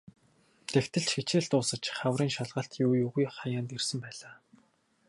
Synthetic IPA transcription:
t̪ʰext̪ɘ̆ɬt͡ɕxet͡ɕeːɬt̪ʊːsə̆t͡ɕχawriːŋʃaɮʁə̆ɬt̪juːjuːɣujχajaːnt̪irsə̆mpæːɮaː

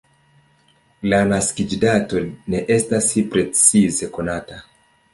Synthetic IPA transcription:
lanaskid͡ʒidato̞ne̞ʔe̞stasipɾe̞t͡size̞ko̞nata

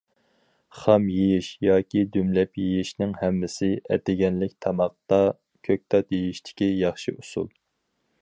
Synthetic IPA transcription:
χɑmjejɪʃjɑːkʲid̪ymlɛpjijiʃnɪŋhɛmːɪsɪʔɛ̰t̪ɪɡʲɛnlɪk̚ʲt̪ʰɑmɑq̚t̪ɑ | kʲʰøk̚ʲt̪ʰɑt̪jejiʃt̪ʰɪ̥kʲijɑχʃiusṵlˠ

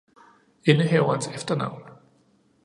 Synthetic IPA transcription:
enəɦɛʊɐnsefd̥ɐnɑ̈ʊ̰n

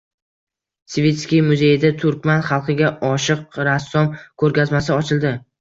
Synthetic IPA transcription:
svet̪skʲijmʊzejɪd̪at̪ʰʊɾkʲmanχɑlˠqɨɡʲaɒʃɨq̚ɾasːɒmkʰɵɾkʲazmas̬ɪɒt͡ʃʰɪlˠd̪ɪ

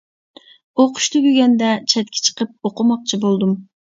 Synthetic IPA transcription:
oqʰʊ̥ʃt̪ʰyɡʲyɡʲɛnd̪ɛt͡ʃʰɛt̪̚kʲʰɪ̥t͡ʃʰə̥qʰəp̚oqʰʊmɑq̚t͡ʃʰibolˠd̪um

